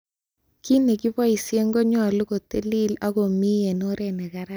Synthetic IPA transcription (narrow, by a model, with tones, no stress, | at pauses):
ki˦ne˨ki˦bɔ˦i˨sje˦ŋɡo˦ɲɔ˨lu˦ko˨te˦li˦la˦ko˨mi˦je˨no˦ɾe˨ne˨ka˦ɾa˦